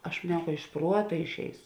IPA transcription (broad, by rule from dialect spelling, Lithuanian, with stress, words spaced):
ɐʃ mɐˈnʲɛʊ kɐ ɪʃ ˈpruɔtɐ ɪʃʲˈɛɪsʊ